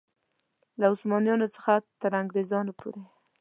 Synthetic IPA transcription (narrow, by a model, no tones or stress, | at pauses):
laʊsmɑnjɑnot͡sə̥xat̪əɾaŋɡɾezɑnopʰo̰ɾe